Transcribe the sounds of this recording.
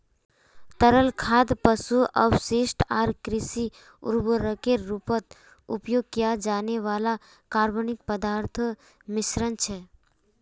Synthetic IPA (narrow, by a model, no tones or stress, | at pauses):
t̪əɾəlkʰaːd̪pəsuə̰bseːʃʈaːɾkɾɪsi | ʊ̰ɾbəɾəkeɾːupət̪ | ʊ̰pjoːɡ̚kijad͡ʒaːneʋaːla | kaːɾbənɪk̚pəd̪aːɾt̪ʰ | mɪsɾənt͡ʃʰɛ